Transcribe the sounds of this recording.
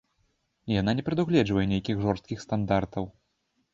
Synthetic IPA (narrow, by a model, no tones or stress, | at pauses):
ijan̪anʲɛpɾɛd̪uɣlʲɛd͡ʐvɐjɛnʲejkʲiɣʐɔrst̪̚kʲixst̪and̪art̪ɐw